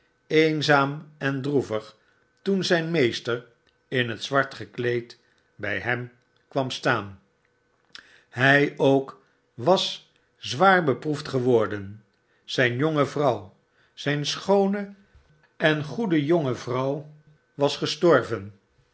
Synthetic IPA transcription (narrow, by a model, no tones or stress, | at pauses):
ejnzaːmɛndruvəχ | tunzɛjnmejstəɹ | ɪnɦətsʋɑɹtχəklejt | bɛ̰jɦɛm | kʋɑmstaːn | ɦɛjowk | ʋɑs | zʋaːɹbəpruftχəʋɔɹdən | z̥ɛjnjoŋəvrʌw | z̥ɛjnsχownə | ɛnχudəjoŋəvrʌw | ʋɑsχəstɔɹvən